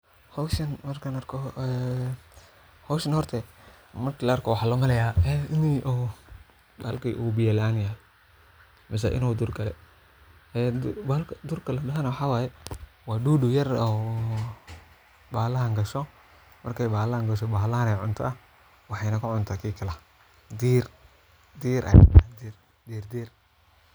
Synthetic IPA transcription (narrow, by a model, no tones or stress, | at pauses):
hɔwʃɐnmɐrkʰɐnɐrkʰɔɛ | hɔwʃɐnhɔrt̪ʰɛ | mɐrkilɐɐrkʰɔwɑħaːlɔmɐlɛjaːɛːɪniʔ | balkḭʔubɪjɛlaːnja | mɪs̬ɐ̰ʔɪ̰nuːd̪ʊrkʰɐlɛ̰ | ɛbalkʰɐd̪ʊrkʰɐlɐdɐɦɐnɐwɑħɑːwaːjɛ | wɑːɖuːdʊjɐrɔ | baːlɐɦɐŋɡɐʃɔ | mʔɐrkʰɛjbaːlɐhɐŋɡɐʃ̬ɔbaːlɐhɐnɛjʕʊnt̪ʰɔ̰ɐ | wɑħɑjnɐkʰʊʕʊnt̪ʰaːkʰiːkʰɐlɐ | d̪iːr | d̪iːɾʔɐ̰j̰ad̪ir | d̪iːrd̪iːr